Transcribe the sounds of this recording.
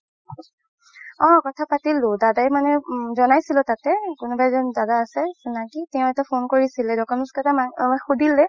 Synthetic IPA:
ɔ̃kɔtʰapatilʊ̃dadajmanɛzɔnajsilʊtatɛkʊnubajzɔndadaːsɛsunakitɛʊ̃ɛtɛpʰonkoɹisilɛdɔkɔmɛskatamaxudʱilɛ

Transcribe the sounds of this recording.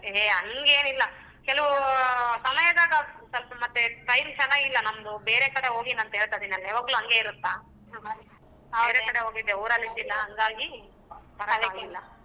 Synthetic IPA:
eɐŋɡeːnilːɐ | kɛlɐʋusɐmɐjɐd̪aːɡɐsɐlpɐmɐt̪ːeʈɐjɾt͡ʃɛnːaːɡilːɐnɐmɐd̪ube̞ːɾekɐɽeɦo̞ːɡiːnɐnt̪ɐɦeːɭt̪ad̪inɐlːɐaʋaːɡɐluːɦɐŋɡe̞iɾut̪ːa | eːɾekɐɽeɦoːɡid̪ːeuːɾɐlːit̪ːilːɐɦɐŋɡaːɡi | pɐɾɐbeaɡilːɐ

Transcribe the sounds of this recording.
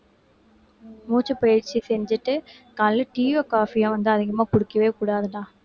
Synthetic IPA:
muːt͡ʃːɯpɐjɪɾt͡ʃːisɛɲd͡ʒɪʈːɯ | kaːlɯʈiːʋɐkaːfiɐ̃ʋɐnd̪ɯɐðɪɣɐmaːkʊɽɯkːɐʋeːkuːɽaːðɯnãː

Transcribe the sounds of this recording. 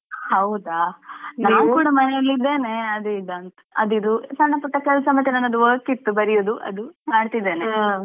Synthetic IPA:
hɐwd̪anaːnkuːɽamɐnɛjɐlːid̪ːe̞ːne̞ɐd̪uɖ̪ant | ɐd̪id̪usɐnːɐpɐʈːɐkɐɭɐsɐmɐt̪ʰːjɐnanːɐd̪uʋɐkːit̪ːubɐɾijoːd̪uʔɐ̰d̪umaːɖt̪id̪ːe̞ːne

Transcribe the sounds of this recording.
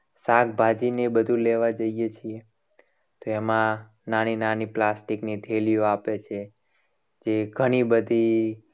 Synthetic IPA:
sak̚bʱad͡ʒinebəd̪ʱũleʋad͡ʒəijet͡ʃʰie | t̪oɛmã | naninaniplasʈiknit̪ʰelioapet͡ʃʰe | d͡ʒeɡʱəɽ̃ibəd̪ʱi

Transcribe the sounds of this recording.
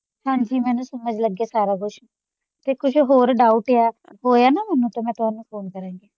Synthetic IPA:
hãːɲd͡ʒiːmɛ̃ːnũːsəməd͡ʒləɡaːsaːɾaːkʊʃʰ | t̪eːkʊt͡ʃʰɦoːɾɖaːuʈeaːɦoːjaːnaːmɛːnũːt̪oːmɛ̃ːt̪ʊaːnũːpʰoːnkəɾãːŋɡeː

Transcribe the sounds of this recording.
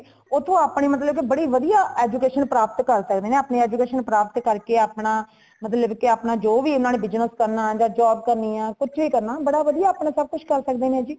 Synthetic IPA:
oːt̪ʰõːaːpɳiːmət̪̬ləbkɪbəɽiːʋəd̪ijaːɛːd͡ʒuːkeːʃənpɾaːp̚t̪kəɾsəkd̪eːnẽːaːpɳeːɛːd͡ʒuːkeːʃənpɾaːpət̪kəɾkeːaːpɳaː | mət̪ləbkɪaːpnaːd͡ʒoːʋiːʊnãːneːbɪd͡ʒnəskəɾnaːd͡ʒãːd͡ʒaːbkəɾniːãːkʊt͡ʃʰʋiːkəɾnaːbəɽaːʋəd̪ijaːpɳẽːsəb̚kʊt͡ʃʰkəɾsək̚d̪eːnẽːd͡ʒiː

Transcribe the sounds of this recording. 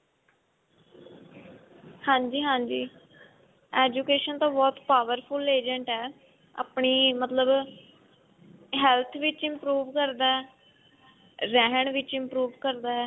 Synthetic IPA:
hãːɲd͡ʒiːɦãːɲd͡ʒiː | ɛːd͡ʒukeːʃənt̪õːbɔːt̪paːʋəɾpʰʊleːd͡ʒəɳʈɛː | a̰ːpɳiːmət̪ləb | ɦɛːlt̪ʰʋɪt͡ʃɪmpɾuːʋkəɾd̪aːɛː | ɾɛːɦəɳʋɪt͡ʃɪmpɾuːʋkəɾd̪aːɛː

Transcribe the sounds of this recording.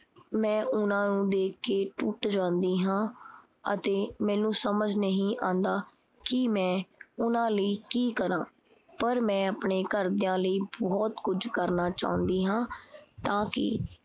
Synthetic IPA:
mɛ̃ːʔʊnãːnũːd̪eːkʰːeːʈuːʈd͡ʒãːnd̪iːɦãː | ə̰t̪eːmɛ̃ːnũːsəməd͡ʒnəɦĩːʔãːnd̪aː | kɪmɛ̃ːʊnãːləiːkiːkəɾãː | pəɾmɛ̃ːəpɳeːkəɾd̪ɪjãːləiːbɔːt̪kʊd͡ʒkəɾnaːt͡ʃa̰ːʊ̃nd̪iːɦãːt̪ãːkɪ̰

